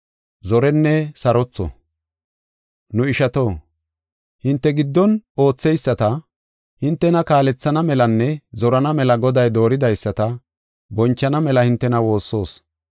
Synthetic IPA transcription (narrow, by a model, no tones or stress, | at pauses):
zɔɾɛnːɛsɐɾɔt͡sːɔ̰ | nʊɪʃɐt̪o̞ː | hɪnt̪ːɛɡɪd̪ːɔno̞ːt͡sːɛjsːɐt̪ɐ | hɪnt̪ːɛnɐkaːlɛt͡sːɐnɐmɛlɐnːɛzɔɾɐnɐmɛlɐɡɔd̪ɐjd̪o̞ːɾɪd̪ɐjsːɐt̪ɐ | bɔnt͡ʃːɐnɐmɛlɐhɪnt̪ːɛnɐwo̞ːsːo̞ːs